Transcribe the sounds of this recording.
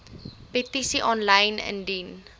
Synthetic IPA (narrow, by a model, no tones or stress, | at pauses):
petisiʔɔnlɐjnə̰ndin